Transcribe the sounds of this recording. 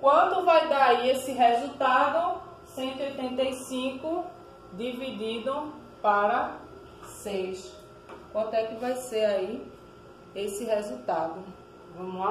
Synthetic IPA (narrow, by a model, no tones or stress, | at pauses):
kwɐ̃nt̪ʊvajd̪aaiesɪɦezut̪ad̪ʊ | sẽnt̪wiojt̪ẽnt̪ejsĩkʊ | d̪ivid̪id̪ɐ̃ | paɾɐ | sejʃ | kwɐ̃nt̪ʊɛkɪvajseɾai | esɪɦezut̪ad̪ʊ | vɐ̃mʊa